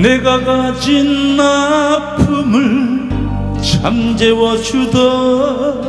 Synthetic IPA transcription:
neɡaɡad͡ʑinːapʰumɯɭ | t͡ɕʰamd͡ʑewʌd͡ʑud̪ʌ

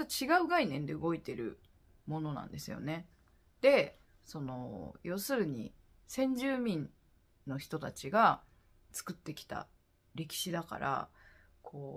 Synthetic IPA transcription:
t͡ɕiɡaɯ̟ɡainẽ̞nd̪e̞ɯ̟ɡo̞it̪e̞ɾɯ̟̰ | mõ̞no̞nã̰nd̪e̞sɨjo̞̰ne̞ | d̪̥e̞ | so̞no̞̰jo̞ːsɨɾɯ̟ɲ̟ḭ | sẽ̞ɲ̟d͡ʑɨːmʲĩn | no̞çi̥t̪o̞t̪at͡ɕiɡa | t͡sɨ̥kɯ̟t̪ːe̞kʲi̥t̪a̰ | ɾe̞kʲi̥ɕid̪aka̰ɾʔa̰ | kʰoː

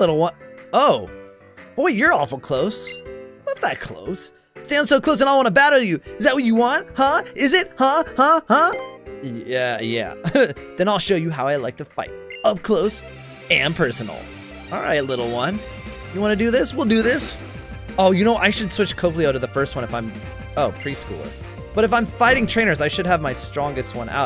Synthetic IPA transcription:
lɪɾl̩ˠwʌ̃noʊ | w̥oɪjə˞ɔfl̩ˠkʰl̥oʊswʌnðɨt̚kʰl̥o̰ʊsː | tæ̃nd̥soʊkʰl̥oʊs̬ɨ̃ñaɪwɑ̃ñəbæɾə˞jɨɨzðɨt̚wʌt͡ʃɨwɑ̃nt̚hʌɪzɪt̚hʌhʌhʌ | æjæ̰ðɨ̃ñaɪlˠʃoʊjɨɦaʊaɪlaɪk̚ðɨfaɪɾ̚ʌv̥kʰl̥oʊs | ɨ̃npʰɜ˞sn̩l̩ˠ | ʔɑ̰lˠɹa̰ɪtˡlɪɾl̩ˠwʌ̃n | jɨwɑ̃nɨdɨðɪswilˠdɨðɪs | oʊjɨñoʊʔaɪʃɨd̥swɪt͡ʃkʰoʊpl̩iaʊɾɨðɨfɜ˞st̚wʌ̃ñɨfãɪ̃m | oʊpʰɹ̥iskṵlˠə̰ | b̥ʌɾɨfãɪ̃ɱfaɪɾɪ̃ŋtʰɹ̥ẽɪ̃nə˞zaɪʃɨd̚əvmaɪstɹ̥ɔ̃ŋɡɨst̚wʌ̰̃nʔa̰ʊ

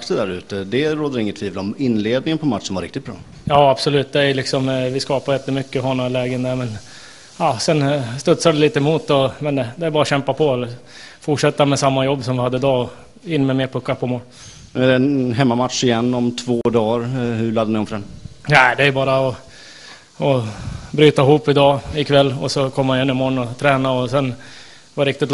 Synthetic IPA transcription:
kt̪əd̪æɾʉ̟ːt̪əd̪ɛɾoːd̪aɾɪŋːət̪ʰv̥iːvəlɔmɪnːleːd̪nɪŋənpʰɔmat̪ːʂɔnvaɾɪkt̪ɪt̪̚bɾɑ̰ː | jɑːab̥sɔlʉːt̪d̪ɛæjlɪksɔmvɪskɑːpaɾjɛt̪ːəmʏkːəɦɔnːɔlɛːɡənd̪æɾmɛn | ɑːsɛnst̪ɵt̪sad̪ɛliːt̪əɛmuːt̪ɔmɛnd̪ɛæɾbɑːɾaɕɛmpapʰɔɛlːə | fʊʈʂɛt̪ːamɛsamːajɔbːsɔmvɪhad̪ːəɪd̪ɑːɔ | ɪnːmɛmeːɾpʰɵkːaɾpʰɔmoːl | ɛɾɛɦɛmːamat̪ʂɪjɛnːɔmt̪ʰvoːd̪ɑːɾhɵɭlad̪ːənɪɔmfœɖɛnnæd̪ɛæɾjəbɑːɾaɔ | ɔbɾyːt̪aɪɦuːpːɪd̪ɑːɪkʰvɛlːɔsɔkʰɔmːhanɛnːɪmɔɳnɔt̪ʰɾɛːnaɔsɛn | vaɾɪkt̪ɪt̪l

